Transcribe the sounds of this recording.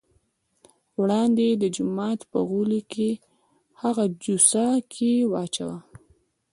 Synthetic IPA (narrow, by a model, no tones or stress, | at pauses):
wɽɑnd̪ed̪əd͡ʒʊmɑt̪pə̰ɣulike | haɣad͡ʒusakʰewɑt͡ʃawa